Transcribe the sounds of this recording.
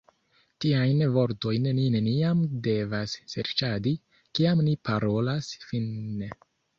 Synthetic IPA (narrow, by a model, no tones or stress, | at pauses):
tiajnvo̞ɾto̞jnnine̞niamde̞vasːḛɾt͡ʃadi | kiamnipaɾo̞lasfinːe